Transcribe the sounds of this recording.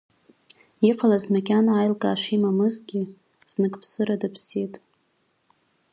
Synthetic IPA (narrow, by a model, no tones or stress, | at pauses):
iqalazmakʲanaːjlkʼaːʃimamɨzɡʲɪ | z̥nɨkʼpʰsɨɾadɨpʰsitʼ